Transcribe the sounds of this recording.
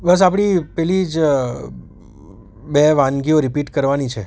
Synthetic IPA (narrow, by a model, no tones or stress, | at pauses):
bəs̬ap̬ɽ̃ipɛlid͡ʒ | beʋãnɡioɾipiʈkəɾʋanit͡ʃʰe